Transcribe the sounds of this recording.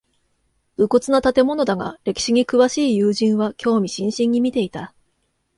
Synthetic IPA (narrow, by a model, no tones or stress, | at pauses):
b̥ɯ̟ko̞t͡sɨnat̪at̪e̞mo̞no̞d̪aɡa̰ɾe̞kʲi̥ɕiɲ̟ikɯβaɕiːjɯːʑĩɰ̃βakʲo̞ːmʲiɕĩɰ̃ɕĩɲ̟ːimʲit̪e̞it̪a